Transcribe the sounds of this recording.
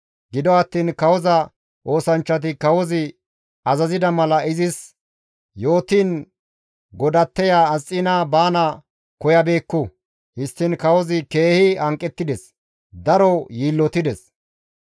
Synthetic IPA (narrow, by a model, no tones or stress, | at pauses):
ɡɪd̪ɔɐt̪ːiːnkɐwɔzɐ | ʔo̞ːsɐnt͡ʃːɐt̪̬ɪkɐwɔzɪ | ɐzɐzɪd̪ɐmɐlɐɪzɪs | jo̞ːt̪iːn | ɡɔd̪ɐt̪ːɛjaːsʼːiːnaːbaːnɐ | kɔjɐbe̞ːkːʊ | hɪst̪ːɪnkɐwɔzɪke̞ːhɪɐŋkʼːɛt̪ːɪd̪ɛs | d̪ɐɾɔjiːlːɔt̪ɪd̪ɛs